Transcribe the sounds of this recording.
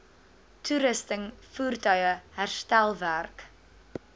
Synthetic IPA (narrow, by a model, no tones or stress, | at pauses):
tʰuɾɪstəŋfuːrtœjəhɛrstɛlˠværk